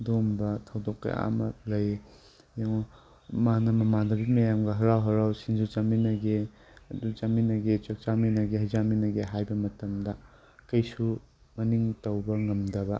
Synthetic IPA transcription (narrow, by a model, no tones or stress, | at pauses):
dombɐtʰɐwdɔkːɐ̰ja̰mɐ̰lɐj | jaŋ | manɐmɐmadɐbimɐjamɡɐɦɐɾawɦɐɾawsind͡ʒut͡ʃaminɐɡe | ɐdut͡ʃaminɐɡet͡ʃɐk̚t͡ʃaminɐɡeɦɐjzaminɐɡeɦajbɐmɐtɐmdɐ | kɐjsu | mɐniŋtɐwbɐŋɐmdɐbɐ